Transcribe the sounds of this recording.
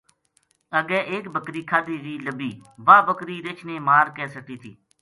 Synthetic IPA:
əɡɛːʔeːkbəkɾiːkʰaːd̪iːɾiːləbiːʋaːbəkɾiːɾet͡ʃʰneːmaːɾkɛːsəʈiːt̪ʰḭː

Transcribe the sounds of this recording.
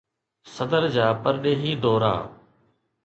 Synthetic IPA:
səd̪əɾd͡ʒaːpəɾɗeːɦiːd̪ɔːɾa̰ː

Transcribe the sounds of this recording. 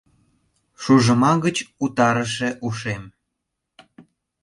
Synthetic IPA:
ʃuʒəmɑɣət͡ɕut̪ɑɾəʃeʔuʃem

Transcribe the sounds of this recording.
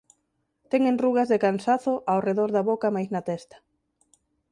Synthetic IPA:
t̪ɛŋenruɣazðekansaθʊʔawreðoɾðaβokamajznat̪ɛst̪ɐ̥

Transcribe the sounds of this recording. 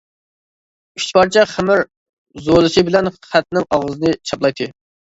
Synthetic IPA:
yʃt̪pɑɾt͡ʃʰɛχæmɪɾ | zolˠɨʃɨbɪlɛnχæt̪̚nɪŋɑʁəzɨnɨt͡ʃʰɑplˠɑjt̪ʰɨ

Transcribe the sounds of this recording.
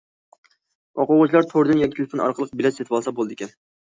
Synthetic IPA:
wʔɑ̰qoʁʊt͡ʃʰlˠɑɾt̪ʰoɾd̪ɨɪnjɑkʲɪt̪ʰɪlˠfonɑ̰ɾqʰəlˠəq̚bɪlɛset̪vwɑlˠsɑbolˠɨd̪ɨɪkʲɛn

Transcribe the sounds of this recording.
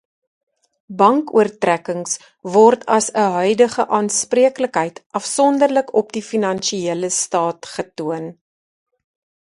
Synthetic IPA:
bɐŋkṵərtrækəŋs | vɔrtʰɐsəɦœɥdəχəʔɑːnspriəkləkɦəjtʔɐfsɔndərləkɔp̚difinɐnʃiiələstɑːtχətuən

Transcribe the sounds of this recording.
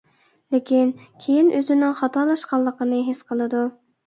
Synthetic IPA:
lɪkʲʰinkʲʰejinʔøzɪnɪŋχɑt̪ʰɑlˠɑʃqɑlˠːəqənɨɦesqʰəlˠɨd̪u

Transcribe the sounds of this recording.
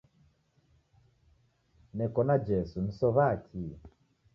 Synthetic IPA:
nɛkɔnad͡ʒɛsun̩sɔβakʰi

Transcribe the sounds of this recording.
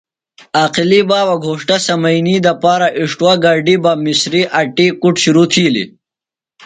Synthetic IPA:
aːqilibaːwaɡʱoːʂʈasɐmɐjniːd̪ɐpaːɾaʔiʂʈwaɡaɖibamisɾiʔaʈikuʈɕuɾut̪ʰiːlḭ

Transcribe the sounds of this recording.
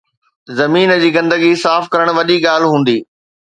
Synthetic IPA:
zɐmiːnd͡ʑiːɡɐ̃nd̪əɡisaːfkɐɾəɽ̃ʋɐʄiɠaːlɦũːn̆d̪iː

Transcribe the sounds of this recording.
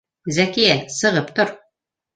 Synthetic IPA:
zækijæsɤ̆ʁɤpt̪oɾ

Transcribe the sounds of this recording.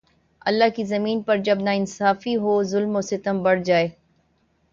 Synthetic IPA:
ɐ̰lːaɦkizɐmiːnpɐɾd͡ʒɐbnaɪnsaːfiɦoːzʊlmoːsɪt̪əmbɐɽd͡ʒaːeː

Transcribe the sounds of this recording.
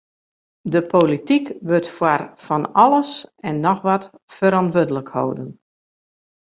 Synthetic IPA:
dəpʰolitikʋɵtfwarfɔnɔlˠəsɛnːɔxʋat | fəɾɔntʋødələkho̰ːwdən

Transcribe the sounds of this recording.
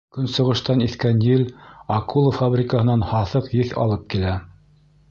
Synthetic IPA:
kɵnsɤ̆ʁɤ̆ʃt̪ɑniθkænjɘlɑkulˠəfabɾʲɪkəhɤ̆nɑnhɑθɤqjɘθɑ̰lˠɤp̚kilæ

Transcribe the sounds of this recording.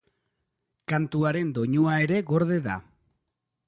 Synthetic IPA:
kant̪uaɾe̞nd̪o̞ɲuae̞ɾe̞ɣo̞ɾðe̞ða̰

